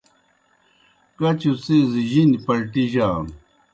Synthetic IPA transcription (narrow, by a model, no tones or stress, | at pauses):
kɐt͡ɕusiziʑinipɐɾʈiʑaːn